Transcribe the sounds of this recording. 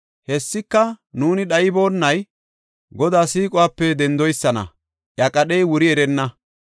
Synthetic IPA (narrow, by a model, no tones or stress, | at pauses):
hɛsːɪkːɐnuːnɪɗɐjɪbo̞ːnːɐj | ɡɔd̪aːsiːkʼʊwaːpːɛd̪ɛnd̪ɔjsːɐnɐ̰ | ʔjɐkʼɐɗɛjwʊɾɪɛɾɛnːɐ